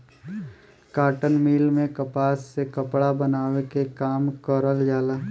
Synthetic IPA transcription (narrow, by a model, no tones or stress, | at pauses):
kaːʈənmiːlmẽkɐpaːsːekɐpɽabɐnaːwekekaːmkəɾəld͡ʒaːlaː